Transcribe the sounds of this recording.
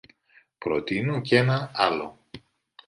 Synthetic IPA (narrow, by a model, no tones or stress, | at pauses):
pɾo̰t̪inuce̞nɐɐlo̞̰